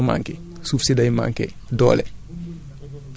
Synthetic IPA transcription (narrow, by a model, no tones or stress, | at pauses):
ma̰ŋkɛ | sufsidajma̰ŋkɛ̰ | dɔ̰ːlɛ